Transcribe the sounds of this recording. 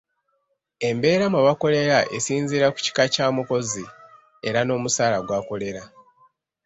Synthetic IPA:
e̞mbe̞ːɾamuβako̞le̞ɾaʔesiːnziːɾaku̥ci̥kacaːmuko̞zi | e̞ɾano̞ːmusaːlaɡwaːko̞le̞ɾa

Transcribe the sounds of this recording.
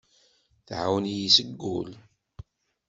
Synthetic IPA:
θʕawnijisəɡːʊl

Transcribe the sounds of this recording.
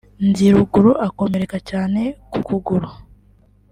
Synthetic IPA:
nziɾuɡuɾuʔako̞me̞ɾe̞kacaːne̞kukuɡuɾu

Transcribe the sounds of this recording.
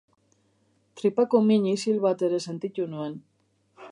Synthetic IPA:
t̪ɾipakomiɲisilβat̪e̞ɾe̞se̞nt̪it̪unue̞n

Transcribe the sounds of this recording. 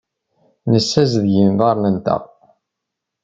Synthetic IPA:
nəsːæzðʝimðˤɑɾˤnənt̪ə̰ʁ

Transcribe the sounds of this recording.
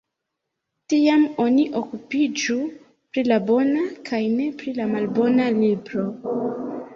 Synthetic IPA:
tiamo̞niʔo̞kupid͡ʒu | pɾilabo̞nakʰajne̞pɾilamalbo̞nalibɾo̞

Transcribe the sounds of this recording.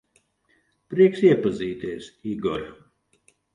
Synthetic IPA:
pɾiɛksiɛpaziːt̪iɛsiɡɔɾʲ

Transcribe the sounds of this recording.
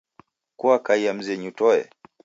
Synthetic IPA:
kuakaiam̩zɛɲutɔɛ̰

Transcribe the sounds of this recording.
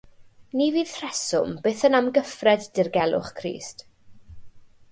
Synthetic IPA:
niviːð̥tʰrɛsʊmbeːθənamɡəfrɛdd̥ɪrɡɛlˠʊ̰χkʰrḭːst

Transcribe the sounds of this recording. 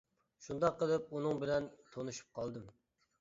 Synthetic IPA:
ʃund̪ɑqːəlˠɨp̚unɨŋbɪlɛnt̪ʰonɨʃu̥p̚qʰɑlˠd̪ɨm

